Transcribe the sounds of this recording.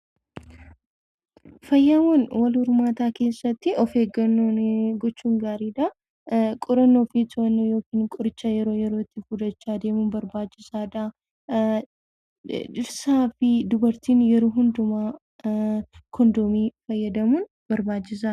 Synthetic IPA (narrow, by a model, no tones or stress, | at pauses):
fɐjːawɐnwɐlhʊɾmaːt̪aːke̞ːsːɐt̪ːɪɔfe̞ːɡɐnːonɡɔt͡ʃːuːŋɡaːɾiːd̪ɐ | kʼʊɾɐnːoːfit̪ʊɐnːoːjo̞ːkiːnkʼʊɾɪt͡ʃːajɛɾo̞ːjɛɾo̞ːɪt̪ːɪfʊd̪ɐt͡ʃːaːd̪e̞ːmuːnbɐɾbaːt͡ʃːɪsaːd̪a | ɪɾsaːfɪd̪ʊbɐɾt̪iːnjɛɾoːɦʊnd̪ʊmaː | kɔnd̪oːmiːfɐjːɐd̪ɐmuːn | b̥ɐɾbaːt͡ʃːɪs̬a